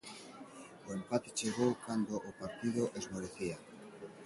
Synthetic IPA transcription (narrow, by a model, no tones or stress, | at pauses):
oempat̪et͡ʃeɣowkand̪oʔːpaɾt̪iðoʔezmoɾeθia